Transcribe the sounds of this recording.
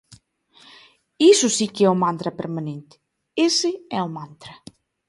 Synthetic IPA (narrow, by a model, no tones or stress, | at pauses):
isusikeɛumãnt̪ɾɐpeɾmanẽnt̪ɪ̥ | esɪɛumãnt̪ɾɐ